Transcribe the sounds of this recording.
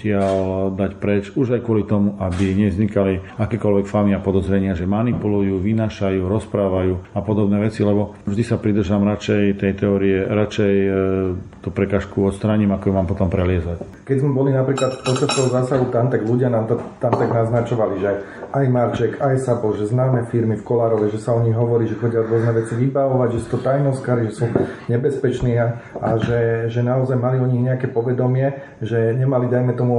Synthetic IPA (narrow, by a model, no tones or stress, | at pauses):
cɪald̪acpɾɛt͡ʃuʒajkʊɔlit̪ɔmuʔabiɲɛzɲikaliakɛːkɔlʋɛkfamiapɔd̪ɔzɾɛɲɪaʒɛmanipulujuːʋinaːʃajuːɾɔspɾaːʋajuːapɔd̪ɔbnɛːʋɛt͡silɛbɔʒd̪isapɾid̪r̩ʒamɾat͡ʃɛjt̪ɛjt̪ɛɔɾiɛɾat͡ʃɛj | t̪uːpɾɛkaːʃkuɔt̪st̪ɾaːɲimakɔjumaːmpɔt̪ɔmpɾɛlɪɛzac | kɛzmɛbɔlinapɾiːklat̪pɔt͡ʃast̪ɔɦɔzaːsaɦut̪ant̪aɡluɟɪanaːmt̪at̪ːant̪aɡnaznat͡ʃɔʋaliʒɛ | ajmaɾt͡ʃɛkajsabɔʒɛznaːmɛfiɾmifkɔlaːɾɔʋɛʒɛsaɔɲiɣɦɔʋɔɾiːʒɛxɔɟɪjaɔd̪ʊɔznɛʋɛt͡siʋibaʋɔʋaɟʒɛsu̥t̪ɔt̪ajnɔskaɾiʒɛsuɲɛbɛspɛt͡ʃniːaaʒɛʒɛnaɔzajmaliɔɲiɣɲɛakɛpɔʋɛd̪ɔmɪɛ | ʒɛɲɛmalid̪ajmɛt̪ɔmu